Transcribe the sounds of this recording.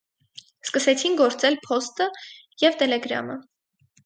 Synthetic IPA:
skəsɛt͡sʰinɡɔɾt͡sɛlpʰɔst̪ə | jɛvt̪ɛlɛɡɾɑ̰mə

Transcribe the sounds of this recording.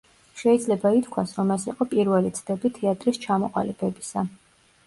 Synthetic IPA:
ʃɛid̪zlɛbait̪kʰwasɾɔmɛsiqʼɔpʼiɾvɛlit̪sʰd̪ɛbit̪ʰɛat̪ʼɾist͡ʃʰamɔqʼa̰libɛbisa

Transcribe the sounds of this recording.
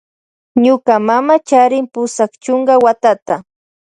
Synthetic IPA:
ɲʊkamamat͡ʃaɾɪmpʊsakt͡ʃʊɴɢɑwat̪at̪a

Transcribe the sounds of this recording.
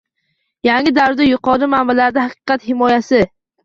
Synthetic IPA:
jaŋʲɪd̪awd̪ajʊqɒɾɪmambalaɾɪd̪ahɑqɨ̥qʰɑt̪hɪmɒjasɪ

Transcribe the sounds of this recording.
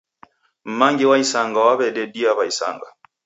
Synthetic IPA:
m̩maŋɡiwaisaŋɡawaβɛɗɛdiaβaisa̰ŋɡa̰

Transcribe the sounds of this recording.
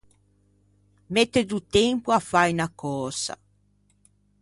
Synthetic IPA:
met̪ːed̪ut̪ɛmpuafajnakɔːsa̰

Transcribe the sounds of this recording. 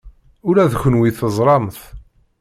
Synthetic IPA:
ʊɾæðçʷənwiθəzˤɾˤɑmθ

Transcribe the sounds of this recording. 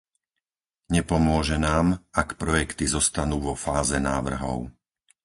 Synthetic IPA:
ɲɛpɔmʊɔʒɛnaːmakpɾɔjɛkt̪izɔst̪anuːʋɔfaːzɛnaːʋr̩ɦɔ̰ʊ

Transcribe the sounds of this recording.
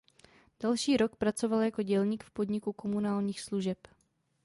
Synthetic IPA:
d̥alʃiːɾo̞kpɾat͡so̞valjako̞ɟɛlɲiːkfpo̞dɲɪkuko̞munaːlɲiːxsluʒɛp

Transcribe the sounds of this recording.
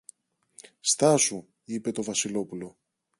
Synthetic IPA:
st̪ɐsu | ipe̞t̪o̞vɐsilo̞pulo̞

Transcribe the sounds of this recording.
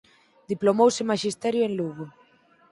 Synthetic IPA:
d̪iplomowsɪmaʃist̪ɛɾjʊenluɣo

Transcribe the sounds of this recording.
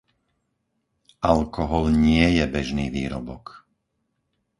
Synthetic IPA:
ʔalkɔɦɔlɲɪɛjɛbɛʒniːʋiːɾɔ̰bɔk

